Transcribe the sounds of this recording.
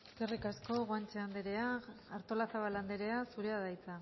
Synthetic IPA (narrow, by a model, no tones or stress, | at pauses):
eske̞rikasko̞ɣoant͡ʃeand̪eɾe̞aːɾt̪o̞lasaβaland̪eɾe̞asuɾe̞að̞ajt͡sa